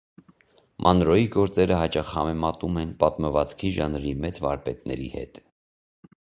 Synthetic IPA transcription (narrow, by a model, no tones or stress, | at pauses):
mʔɑnɾɔiɡɔɾt͡sɛɾəɦɑt͡ʃɑχhɑmɛmɑt̪umɛnpɑt̪məvɑt͡skʰiʒɑnɾimɛt͡svɑɾpɛt̪nɛ̰ɾḭhɛ̰t̪